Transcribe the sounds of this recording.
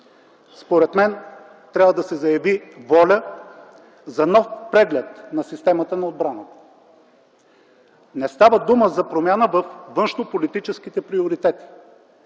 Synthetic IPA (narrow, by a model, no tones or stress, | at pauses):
spoɾɛt̪mɛn | t̪ɾʲabvəd̪ɐsɛzɐjɐvivɔlʲə | zɐnɔfpɾɛɡlʲɛt̪nɐsist̪ɛmət̪ənɐod̪̚bɾanət̪ə̥ | nɛst̪avəd̪uməzɐpɾomʲjanəvɐfvɤnʃnopolit̪it͡ʃɛsk̟it̪ɛpɾioɾit̪ɛt̪i̥